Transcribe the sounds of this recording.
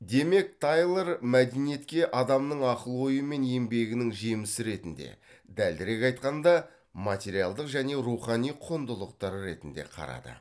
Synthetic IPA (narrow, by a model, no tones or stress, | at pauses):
d̪e̞me̞k̚t̪ʰɑjlˠeɾmæd̪e̞nije̞t̪kʲe̞ʔɑd̪ɑmnəɴɑqəlˠwo̞jəme̞ne̞mbe̞ɡʲɪnɪŋʒemɪsɪɾe̞t̪ɪnd̪e̞̰ | d̪æld̪ɪɾe̞kɑjt̪̚qɑnd̪ɑ | mɑt̪ʲe̞ɾijɑlˠd̪əqʒæne̞ɾuχɑnijqʰond̪əlˠəq̚t̪ɑɾəɾe̞t̪ɪnd̪e̞̰qʰɑ̰ɾɑ̰d̪ə̰